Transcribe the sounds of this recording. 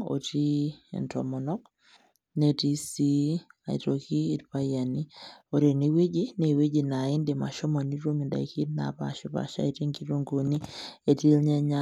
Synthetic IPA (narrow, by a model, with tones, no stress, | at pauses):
o̰˨tḭ˦˨ntɔ̰˨mɔ˨nɔ˦k | ne˦ti˦si˦a˨ḭ˨to˨kiː˦˨tpa˦ja˨ni˦o˨ɾe˨ne˨we˦d͡ʒi˦ne˨we˦d͡ʒi˨na˨ɪ˦nde˨ma˨ʃɔ˦mɔ˨ni˦ɾwo˦mi˨nda̰˨i˨ki˦t̚na̰˨pa̰˨ʃʊ˦pa̰˨ʃa̰˦e˨ti˦ŋɡi˦ɾo˦ŋɡo˨ni˦e˨ti˦lɲɛ˦ɲa˦